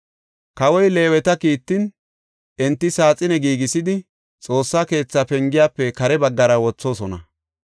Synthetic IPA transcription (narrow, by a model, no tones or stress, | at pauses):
kɐwɔjle̞ːwɛt̪ɐkiːt̪ːɪn | ɛnt̪ːɪsaːt͡sʼɪnɛɡiːɡɪsɪd̪ɪ | t͡sʼo̞ːsːaːke̞ːt͡sːɐpɛŋɡɪjaːpːɛkɐɾɛbɐɡːɐɾɐwɔt͡sːo̞ːsɔnɐ̰